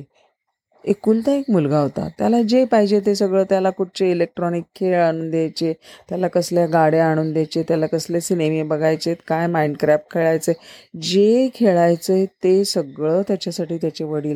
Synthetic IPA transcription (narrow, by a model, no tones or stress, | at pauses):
ekuːlt̪aekmulɡaɦot̪a̰t̪ja̰lad͡ʑepaɦid͡ʑet̪̬esəɡɭəːt̪jalakuʈ̚t͡ɕeilek̚ʈɾɔnikʰːeɭaɽ̃uːnd̪jajt͡ɕet̪jalakəsljaɡaɽeaɽ̃uːnd̪jajt͡ɕet̪jalakəslesineʋebəɡʱajt͡ɕet̪kajmaiɳɖkɾæfʈ̚kʰeɭajt͡səjd͡ʑekʰeɭajt͡sət̪esəɡɭəːt̪jat͡ɕjasaʈiːt̪jat͡ɕeʋəɽiːl